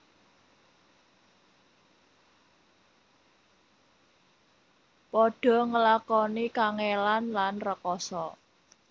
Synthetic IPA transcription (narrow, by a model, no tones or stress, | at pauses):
pɔɖ̥ɔ̤ŋəlakɔnikaŋelanlanrəkɔsɔ